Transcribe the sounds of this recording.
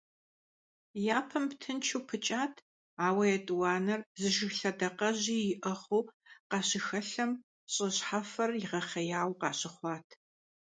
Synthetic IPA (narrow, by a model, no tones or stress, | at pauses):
jaːpʰɐmptʰɨnt͡ʃʰuːpʰɨt͡ʃʼaːtʰ | aːwɐjɛtʼwɑːnɐrzɨʒɪxɬɐdɐqɐʑiːjɪʔɐχuːqɑːɕɪxɐɬɐm | ɕʼɐɕħafɐrjɪʁɐχɐjaːwqɑːɕɪχʷɑːtʰ